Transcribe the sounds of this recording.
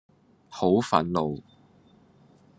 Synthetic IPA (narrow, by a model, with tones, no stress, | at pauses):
ho˨˥wfɐ̰˨˥nlo˨w